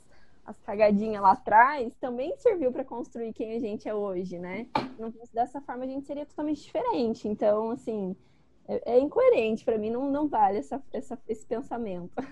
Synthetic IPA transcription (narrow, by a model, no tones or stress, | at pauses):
ɐ̰skaɡad͡ʒĩɲɐlat̪ɾajst̪ɐ̃mbẽj̃seɾviwpɾɐkõst̪ɾuikẽj̃ɐʒẽnt͡ʃɪɛoʒɪnɛnɐ̃w̃fosɪd̪ɛsɐfɔɾmɐʒẽnt͡ʃɪ̥seɾiɐt̪ot̪awmẽnt͡ʃɪd͡ʒifeɾẽnt͡ʃɪẽnt̪ɐ̃w̃asĩ | ɛʔɛĩŋkoeɾẽnt͡ʃɪ̥pɾɐmĩnɐ̃w̃nɐ̃w̃valɪɛsɐɛsɐesɪ̥pẽsamẽnt̪ʊ